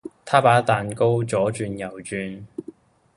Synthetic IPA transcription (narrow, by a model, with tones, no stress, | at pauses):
t̪ʰaː˥paː˨˥t̪aː˨nko˥wt͡sɔː˨˥t͡ʃyː˧njɐ˨˩wt͡ʃyː˧n